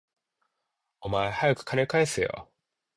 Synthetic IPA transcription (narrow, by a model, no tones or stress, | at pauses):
omaehajakɯ̟̥kʰane̞kaesɨjo̰